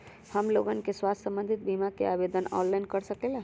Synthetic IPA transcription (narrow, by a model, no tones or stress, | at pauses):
həmloɡənkeswast̪ʰsə̃mbə̃nd̪ʱit̪̚bimakḛabed̪ənɔːnlainkəɾsəkela